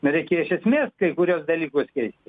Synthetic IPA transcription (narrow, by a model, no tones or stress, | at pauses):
nʊɾʲɛɪkʲeːjɪʃʲɛsʲmʲeːskɐɪkʊɾʲuːsd̪ɐlʲiːkoːskʲɛɪsʲt̪ʲɪ